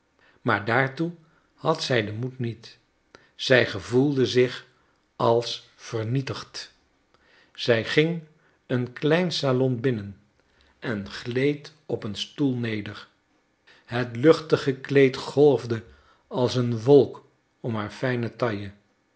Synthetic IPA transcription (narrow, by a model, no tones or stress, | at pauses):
maːɹdaːɹtu | hɑtsɛjdəmutnit | z̥ɛjχəvulˠdəzɪχ | ɑlˠs | fəɹnitəχt | z̥ɛjχɪŋ | ənklɛjnsalɔnbɪnən | ʔɛnχlejt | ɔpənstulˠnejdəɹ | ɦətlɵχtəχəklejtχɔlˠvdə | ɑlˠsənʋɔlˠk | ɔmɦaːɹfɛjnətɑjə